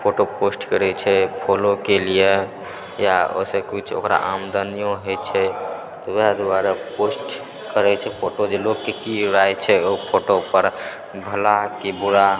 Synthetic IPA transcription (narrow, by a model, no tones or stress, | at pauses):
pʰoʈoposʈkəɾɛt͡ʃʰɛpʰolokelie | jao̰sekit͡ʃʰo̰kɾa̰ʔamd̪ənijõɦɔjt͡ʃʰɛ | t̪ɔwed̪uaɾaposʈ | kəɾɛt͡ʃʰɛpʰoʈod͡ʒelokːekiɾaɛt͡ʃʰɛopʰoʈopəɾ | bʱəlakebuɾa